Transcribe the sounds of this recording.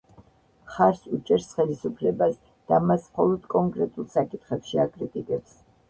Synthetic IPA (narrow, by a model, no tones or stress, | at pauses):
χaɾsut͡ʃʼɛɾsχɛlisupʰlɛbas | d̪̥amasmχɔlˠɔd̪̥kʼɔŋkʼɾɛt̪ʼulˠsakʼit̪ʰχɛpʃiakʼɾit̪ʼikʼɛps